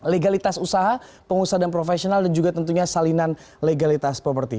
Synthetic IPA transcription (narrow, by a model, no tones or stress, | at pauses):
leɡalit̪asusaɦa | pəŋusadanp̬ɾofesionaldand͡ʒuɡat̪ənt̪uɲasalinan | leɡalit̪aspɾopərt̪i